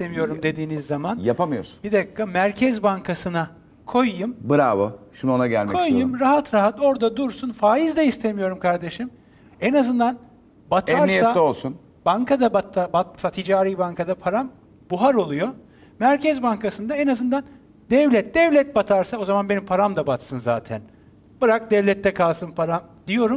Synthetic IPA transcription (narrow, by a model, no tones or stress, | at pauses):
st̪ʰemijo̞ɾumd̪e̞d̪iːnizːamanjapʰamɯjoɾsu̥nbid̪akːamæɾcʰɛzbaŋkʰasɯna | kʰo̞jːumbɯɾaːβɯʃimo̞naɟæ̰lʲmkɛo̞jjumɾaɦat̪ɾaɦat̪o̞ɾd̪ad̪uɾsunfaːjizd̪ɛist̪ʰe̞mijo̞ɾumkʰaɾd̪e̞ʃim | enazɯnd̪an | bat̪ʰɛaɾieaolˠsun | baŋkad̪abat̪ːabat̪sat̪ʰid͡ʒaːɾiːbaŋkʰad̪apʰaɾam | buɦaɾo̞lˠujo̞ | mæɾcʰɛzbaŋkasɯnd̪aenazɯnd̪an | d̪ɛvlʲɛt̪̚d̪ɛvlʲɛt̪̚bat̪ʰaɾsao̞zamanbe̞nimpʰaɾamd̪abat̪sɯnzaːt̪ʰæ̰n | b̥ɯɾak̚d̪ɛvlʲɛt̪ʰːɛkʰalˠsɯnpʰaɾamd̪ijo̞ɾum